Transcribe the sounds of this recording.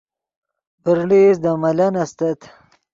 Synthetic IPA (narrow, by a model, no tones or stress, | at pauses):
pəɾlisd̪amɐlɐnɐst̪ɐt̪